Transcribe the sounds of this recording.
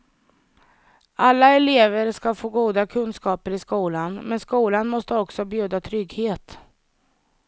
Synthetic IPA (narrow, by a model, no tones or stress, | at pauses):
ʔalːaɛleːvəɾʂkafoːɡuːd̪akʰɵnskɑːpəɾɪskuːlanmɛnskuːlanmɔst̪əɔksɔbjʉ̟ːd̪at̪ʰɾʏɡheːt̪